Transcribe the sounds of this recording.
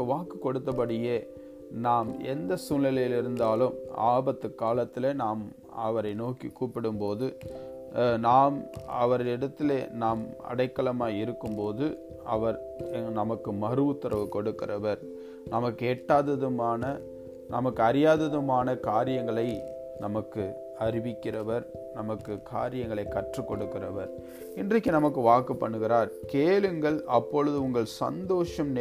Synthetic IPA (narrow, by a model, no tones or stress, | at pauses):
ʋaːkɯkɔɽɯt̪ːɐp̬ɐɽɪjeː | naːmɛ̰nd̪ɐsuːlːɛlɐjɪlɪɾɯnd̪aːlɯma̰ːbɐt̪ːɯkːaːlɐt̪ːɪleːnaːm | ɐʋɐɾɐɪnoːkikːuːpɪɽɯmpoːðɯ | naːmɐ̰ʋɐɾɪɽɐt̪ːɪleːnaːmɐ̰ɽɐɪkːɐɭɐmaːɪɾɯkːɯmpoːðɯ | ʔɐʋɐɾ | nɐmɐkːɯmɐɾɯʋɯt̪ːɪɾɐʋɯkɔɽɯkːɪɾɐʋɐɾ | nɐmɐkːeːʈːaːðɐðɯmaːnɐ | nɐmɐkːɯɐɾɪjaːðɐðɯmaːnɐkaːɾɪjɐŋɡɐɭɐɪ | nɐmɐkːɯ | ɐɾɪʋɪkːɪrɐʋɐɾ | nɐmɐkːɯkʰa̰ːɾɪjɐŋɡɐɭɐɪkːɐʈrɯkːɔɽɯkːɪrɐʋɐɾ | ɪndrɐkːɯnɐmɐk̬ːɯʋaːkːɐpːɐɳːɯɣɪɾaːɾkeːlɯŋɡɐɭɐpːɔɻɯðɯʊŋɡɐɭsɐ̰nd̪oːʂɐmn